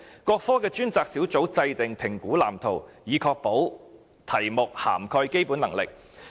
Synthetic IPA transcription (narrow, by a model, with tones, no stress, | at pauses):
kɔː˧k̚fɔː˥kɛː˧t͡ʃyː˥nt͡saː˧k̚siː˨˥wt͡so˨˥wt͡sɐ˧jt̪ɪ˨ŋpʰɪ˨˩ŋkuː˨˥la̰ː˨˩mt̪ʰo˨˩wjiː˨˧kʰɔː˧k̚po˨˥w | t̪ʰɐ˨˩jmʊ˨k̚ha̰ː˨˩mkʰɔː˧jke˥jpuː˨˥nɐ˨˩ŋlɪ̰˨˩k̚